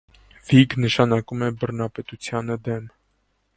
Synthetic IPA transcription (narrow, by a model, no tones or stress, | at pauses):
viɡnəʃɑnɑkumɛbərnɑpɛt̪ut͡sʰjɑnəd̪ɛm